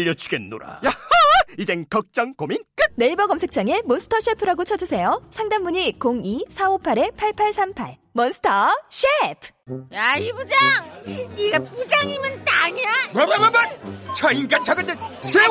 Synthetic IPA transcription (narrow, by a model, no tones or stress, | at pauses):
ʎːʌt͡ɕʰuɡenːo̰ɾa̰jaʌid͡ʑeŋkʌk̚t͡ɕ͈ʌŋkomink͈ɯne̞ibʌɡʌmsʰek̚t͡ɕ͈aŋe̞monsʰɯ̥tʰʌɕʰepʰɯɾaɡot͡ɕʰʌd͡ʑusʰe̞josʰaŋdammuɲikoŋisʰaopʰaɾe̞pʰaɭpʰaɭsʰampʰa̰ɭ | mʌnsʰɯ̥tʰʌɕʰepʰjaibud͡ʑaŋiɡapud͡ʑaŋimɯnt͈aɲiamʌbamabant͡ɕʌiŋɡant͡ɕʰʌɡet͈ent͡ɕe